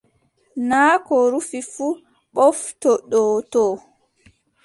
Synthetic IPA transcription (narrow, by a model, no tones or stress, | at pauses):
naːkɔɾufifu | ɓɔftɔɗɔːtɔː